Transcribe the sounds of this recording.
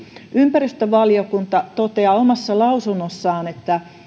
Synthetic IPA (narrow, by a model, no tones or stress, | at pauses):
ʔympærist̪øʋɑlijokunt̪ɑt̪ot̪eɑːomɑsːɑlɑusunːosːɑːnet̪ːæ